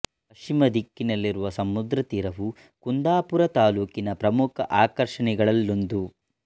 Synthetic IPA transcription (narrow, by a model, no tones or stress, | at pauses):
pɐt͡ʃimɐd̪ikːinɐlːiɾuʋɐsɐmud̪ɾɐt̪iɾɐʋu | kund̪aːpuɾɐt̪aːluːkinɐpɾɐmukʰɐ̰ʔaːkɐɾʂɐɳɛɡɐɭɐlːond̪u